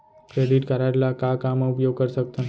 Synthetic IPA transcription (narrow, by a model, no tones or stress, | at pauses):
kɾeːɖɪʈkəɾaɾlakakamaʊpjoːɡ̚kɐɾsək̚t̪ã